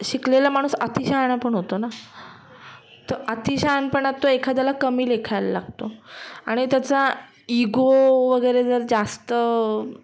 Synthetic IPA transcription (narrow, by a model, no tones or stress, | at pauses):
ɕiklelamaɽ̃uːsət̪iɕaɦɳapəɳɦot̪ona | t̪əɾət̪iɕanpəɳat̪oekʰad̪alakəmiːlekʰajla̰la̰ɡt̪oaɽ̃it̪jat͡sa | iɡoʋəɡəjɾed͡zəɾd͡zast̪ə